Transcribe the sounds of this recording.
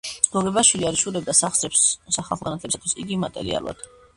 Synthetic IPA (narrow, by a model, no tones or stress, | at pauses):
ɡ̥ɔɡɛbaʃwiliaɾiʃuɾɛb̚d̪asaχsɾɛpssaχalˠʁanat̪ʰlɛbisat̪ʰwisiɡimat̪ʼɛ̰ɾḭa̰l̰ˠa̰d̪̥